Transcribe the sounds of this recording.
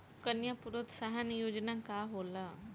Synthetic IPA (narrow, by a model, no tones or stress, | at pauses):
kənjapuɾot̪saɦanjod͡ʑnakaɦola